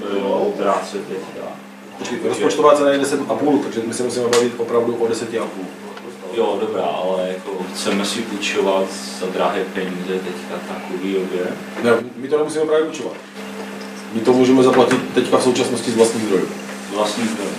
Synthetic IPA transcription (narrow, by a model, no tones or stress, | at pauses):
bɪloot̪ɾaːt͡sɛt̪ɛcka̰ | pot͡ʃkɛjɾospot͡ʃt̪ovaːt͡sɛnajɛdɛsɛt̪ʔapuːlt̪aɡʒɛmɪsɛmusimɛbavɪt̪ʔopɾavduʔodɛsɛc̪ɪʔapuːl | oost̪ajodobɾa̰ːʔalɛjakoxt͡sɛmɛsɪvut͡ʃovat̪z̥ad̪ɾaɦɛːpɛɲiːzɛt̪ɛckat̪akulidobjɛ | nɛmɪt̪onɛmusiːmɛpɾaːvjɛut͡ʃovat̪ | mɪt̪omuːʒɛmɛzaplacɪt̪ːɛckafso̞wt͡ʃasnoscɪzvlast̪ɲiːzd̪ɾo̞jṵ | zvlast̪ɲiːzd̪ɾoju